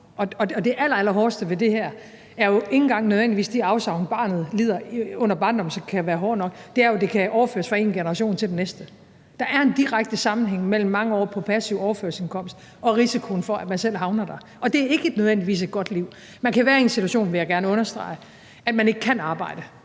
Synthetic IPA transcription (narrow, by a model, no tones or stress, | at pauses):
ʔɒ̽ɒ̽ɒ̽d̥e̝ʔæl̰ɐæl̰ɐɦɒːsd̥əʋe̝d̥e̝hæɐ̰ | æɐjo̝e̝ŋn̩ɡ̥ɑ̈ŋ̰nøð̞ˠʋend̥iʋḭːsd̥iɑ̈ʊsɑ̈ʊnəb̥ɑ̈ːnð̞̩ˠliːð̰ˠɐɔ̽n̰ɐb̥ɑ̈ːndɒ̽m̩sɒkʰæʋæːɐɦɒːd̥nɒ̽ɡ̥̚d̥e̝æɐjo̝de̝kʰæʔɒʊɐfø̰ɐsfʁɑ̈e̝̰ːnɡ̥e̝nɐʁɑ̈ɕo̝̰ːnt͡sʰe̝ld̥enesd̥ə | d̥ɑ̈ʔæɐe̝nd̥iʁaɡ̥̚d̥əsɑ̈mn̩ɦeŋ̰mel̰m̩ːɑ̈ŋəɒ̰ːpʰɒ̽pʰæsiʊ̰ɒʊɐfø̰ɐlse̝nkʰɒ̽m̰sd̥ | ɒ̽ʁisikʰo̝n̩fɒ̽æd̥mænsel̰ɦɑ̈ʊnɐd̥ɑ̈ | ɒ̽d̥e̝æɐe̝ɡ̥əed̥nøðˠʋend̥iʋḭːs̬e̝d̥̚ɡ̥ɒ̽d̥liʊ̰ | mænkʰæʋæːɐe̝nsit͡sʰuæɕo̝̰ːnʋe̝jɑ̈ɡ̥æɐnəɔ̽nɐsd̥ʁɑ̰̈ɪ | æd̥mæne̝ɡ̥əkʰænɑ̈ːb̥ɑ̈ɪ̰d̥ə